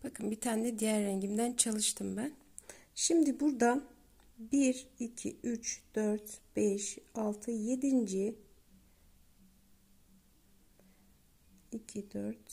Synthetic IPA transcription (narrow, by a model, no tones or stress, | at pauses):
b̥akʰɯnbit̪ʰaːnɛd̪ijæɾːɛɲɟimd̪ænt͡ʃʰalˠɯʃt̪ʰɯmbæn | ʃimd̪ibuɾd̪an | biɾicʰiʔyt͡ʃd̪̥øɾt̪b̥ɛʃalˠt̪ʰɯje̞d̪ind͡ʒi | icʰid̪øɾt̪